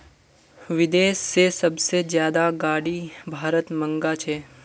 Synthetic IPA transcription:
ʋɪd̪eːsːesɐbsezjaːd̪aɡaːɽibʱaːɾət̪mə̃ŋɡat͡ʃʰeː

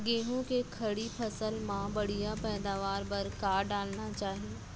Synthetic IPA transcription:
ɡeːɦõkekʰɐɽipʰɐsəlmãbɐɽijapɛːd̪aːʋaːɾpɐɾkaːɾɖaːlnat͡ʃaːɦie

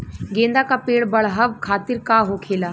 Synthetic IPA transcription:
ɡẽːnd̪aːkapeːɽbəɭɦəʋkʰaːt̪ɪɾkaːɦoːkʰeːlaː

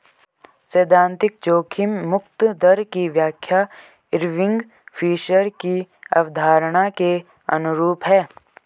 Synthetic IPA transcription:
seːd̪ʱãːnt̪ɪk̚t͡ʃoːkʰɪmːʊkt̪d̪əɾkiʋjaːkʰja | ɪɾʋɪ̃ŋɡ | pʰiːʃəɾkiɐ̰ʋd̪ʱaːɾɽ̃ake | ɐ̰nʊɾuːpɦɛː

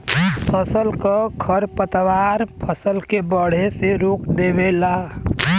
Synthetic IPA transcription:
pʰəsəlkəɡʰʱəɾpət̪ʋaɾpʰəsəlkebəɽ̤eseɾoːkd̪ebela

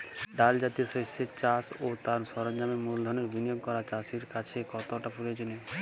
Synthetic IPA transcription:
ɖald͡ʑat̪ioʃosːet͡ɕasot̪aɾʃɔɾond͡ʑamemuld̪ʱɔɾneɾbʱinijoɡ̚kɔɾat͡ɕasiɾkat͡ɕʰekɔt̪oʈapuɾed͡ʑone

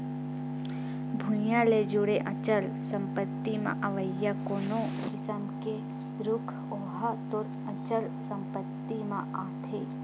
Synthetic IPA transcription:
bʱũjãled͡ʒʊɽeʔɐt͡ʃəl | sɐ̃mpət̪ːimã̰ʔɐʋəjːakoːno | kɪsəmke | ɾʊkʰ | oːɦat̪ʊɾ | ɐt͡ʃəl | sɐ̃mpət̪ːimãʔaːt̪ʰeː

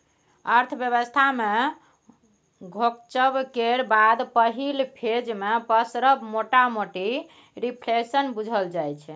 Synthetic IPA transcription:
əɾt̪ʰbjəβəst̪ʰame | ɡʱok̚t͡ʃəbkeɾbad̪pəɦilpʰed͡ʒmepəsɾəbmoʈamoʈi | ɾipʰlesənbud͡ʒʱəld͡ʒajt͡ʃʰɛ

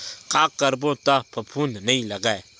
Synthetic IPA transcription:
kaːkːəɾbõt̪apʰɐpʰuːnnəĩlɐɡaːe

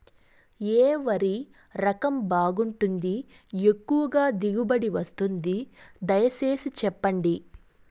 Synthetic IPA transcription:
eːʋɐɾi | ɾɐkɐmbaːɡuɳʈund̪i | e̞kːuʋɐɡaːd̪iɡubɐɽiʋɐst̪und̪id̪ɐjɐse̞ːsit͡ʃɛpːɐɳɖi

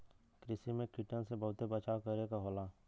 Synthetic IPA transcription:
kɾɪsimẽkɪʈənsebɐɦʊt̪ebət͡ʃakəɾekaɦoːlaː

